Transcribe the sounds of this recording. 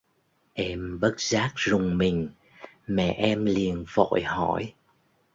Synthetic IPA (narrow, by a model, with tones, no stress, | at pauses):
ʔɛ˧mɓə˦˥t̚z̥aː˦˥k̚zʊ˨˩ŋ͡mmï˨˩ŋ̟ | mɛ̰˧˨ʔɛ˧mli˨˩ənvo̰˧˨jhɔ˧˩j